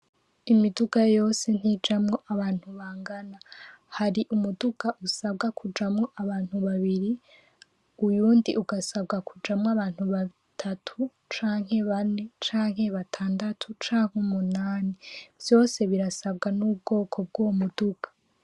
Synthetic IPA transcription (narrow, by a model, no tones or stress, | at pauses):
imiduɡajo̞ːse̞n̥hid͡ʒamŋo̞ʔaβaːn̥huβaːŋɡana | haɾiʔumuduɡaʔusabɡakʰud͡ʒamŋo̞ʔaβaːn̥huβaβiɾi | ujuːndiʔuɡasabɡakud͡ʒamŋaβaːn̥huβa | tʰatʰu | t͡ʃaːŋ̥he̞βane̞t͡ʃaːŋɦe̞βatʰaːndatʰut͡ʃaːŋ̥humunaːniv̥jo̞ːse̞βiɾasab̚ɡanuːbɡo̞ːkʰo̞b̚ɡowmuduɡ̥ḁ